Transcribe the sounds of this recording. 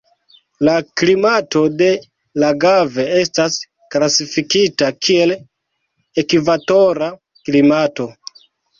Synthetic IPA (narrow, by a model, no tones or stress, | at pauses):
laklimato̞de̞ | laɡave̞e̞stas | klasifikitakʰie̞l | ekivato̞ɾa | klimato̞